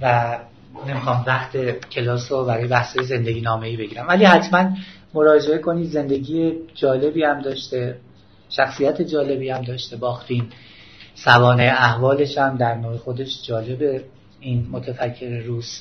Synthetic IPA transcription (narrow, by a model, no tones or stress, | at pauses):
væ | ne̞mixɒːmvæxt̪ʰe̞cʰe̞lɒːsobæɾɒːjeæhsɒːjeze̞nd̪e̞ɟiːnɒːme̞iːbe̞ɟiːɾæmvæliːhæt̪ʰmæn | mo̞ɾɒːd͡ʒe̞e̞kʰo̞niːd̪ze̞nd̪e̞ɟiːjed͡ʒɒːle̞biːhæmd̪ɒːʃt̪e̞ | ʃæxsijæt̪ʰe̞d͡ʒɒːle̞biːæmd̪ɒːʃt̪e̞bɒːxt̪ʰin | sævɒːneeæhvɒːle̞ʃæmd̪æɾnoːhexo̞d̪e̞ʃd͡ʒɒːle̞be̞ | iːnmot̪ʰæfæcʰːe̞ɾeɾuːs